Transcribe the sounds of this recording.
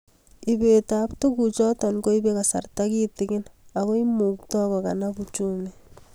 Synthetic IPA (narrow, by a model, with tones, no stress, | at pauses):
ibeta˨ptu˦kut͡ʃɔ˦ta˨nko˦i˦be˦ka˨sa̰rtakitɪkɪna˨kɔ˦imu˨ktɔ˦kɔ˨ka̰˨nabut͡ʃu˦me